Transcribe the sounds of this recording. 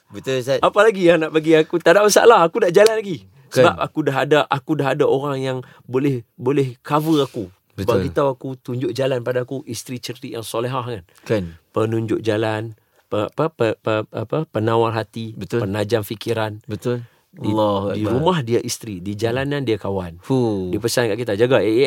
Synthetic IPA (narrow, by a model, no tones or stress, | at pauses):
bət̪sapalaɡijaŋnaʔbaɡiakut̪adaʔmasa̰a̰laɦakunaʔd͡ʒalanlaɡi | səbap̚akudaɦadaʔakudaɦadaoɾaŋjaŋ | bolɛhbolɛhkavəaku | bətbaɡit̪awakut̪uɲd͡ʒʊʔ̚d͡ʒalanpadaːkuʔist̪ɾit͡ʃərt̪iʔjaŋsɔleɦaɦkan | kpənuɲd͡ʒʊk̚d͡ʒalan | pəpəpəəapəpənawalɦat̪ibət̪pənad͡ʒamfikiɾanbət̪ol | ilːɔhaiɾumahdiaʔist̪ɾidid͡ʒalanandiakawandipəsankaʔkit̪ad͡ʒaɡae